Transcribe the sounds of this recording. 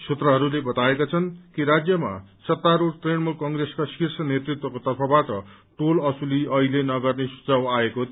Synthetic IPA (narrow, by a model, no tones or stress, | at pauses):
sut̪rʌɦʌɾulebʌt̪aekat͡sʰʌnkiɾad͡zjʌma̰sʌt̪ːaɾuɽʈrenmulkʌŋɡreskaskirsʌnet̪rit̪wʌkot̪ʌrpʰʌbaʈʌ | ʈolʌsuliʌɦilenʌɡʌrnesu̥t͡sawaeko